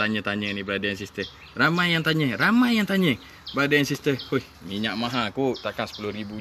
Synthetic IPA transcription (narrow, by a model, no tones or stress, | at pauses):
aɲət̪aɲənibəɾadajansist̪ə | ramajjaŋt̪aɲəramajjaŋt̪aɲə | bəɾadajansist̪əmoj | miɲaʔmaɦakuʔt̪akansə̥pulʊhɾibu